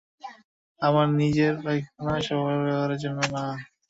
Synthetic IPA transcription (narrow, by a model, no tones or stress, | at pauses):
amaɾnid͡ʑeɾajkʰonaʃɔbajbɛbaɾed͡ʑɔnona